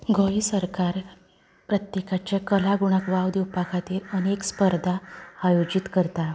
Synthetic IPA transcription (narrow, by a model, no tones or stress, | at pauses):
ɡʱoisəɾkaɾ | pɾət̪jekat͡ɕjakəlaɡuɽ̃akʋawd̪iwpakʰat̪iːɾənekspəɾd̪ʱaːjod͡ʑit̪kəɾt̪a